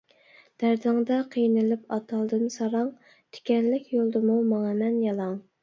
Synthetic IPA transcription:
d̪̥æɾd̪ɨŋd̪ɑqʰijnɪlɪpʰɑt̪ʰɑlˠd̪ɨnsɑɾɑŋ | t̪ʰe̥kʲɛnlɪkʲʰjolˠd̪ɨmumɑŋɑmɛnjɑlˠɑŋ

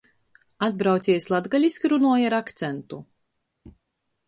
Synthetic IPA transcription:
ad̪̚bɾawt̪sʲiɛslˠad̪ɡalʲiskʲiɾunuɔjaɾakt̪sɛnt̪u

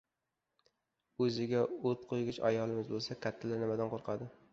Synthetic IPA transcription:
ɵzɪɡʲaot̪qʰojɡʲɪt͡ʃa̰jɒlˠɪmɪzbolˠsakʲʰat̪ʰːalaɾnɪmad̪anqʰoɾqʰɑd̪ɪ

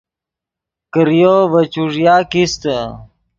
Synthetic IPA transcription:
kəɾijovət͡ɕuʐjaːkist̪ə

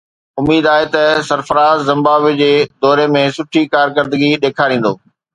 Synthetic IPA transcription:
ʊmiːd̪aːet̪ɐsɐɾfəɾaːzːɐ̃mbaːʋed͡ʑeːd̪ɔːɾemẽsʊʈʰikaːɾkəɾd̪əɡiɗ̪eːkʰaːɾĩːn̆d̪o̰ː

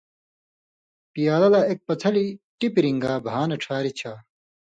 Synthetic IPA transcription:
pijaːlɐlaːek̚pɐt͡sʰɐliʈipiɾiŋɡaːbʱaːnɐʈ͡ʂʰaːɾit͡ɕʰaː

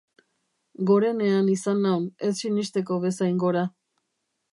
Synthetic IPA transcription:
ɡo̞ɾe̞ne̞anisanːawne̞sːinist̪e̞k̬o̞βe̞sajŋɡo̞ɾa

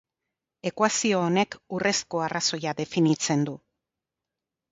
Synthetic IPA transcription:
e̞kwasio̞ːne̞kure̞sko̞araso̞jaðe̞finit͡se̞nd̪u

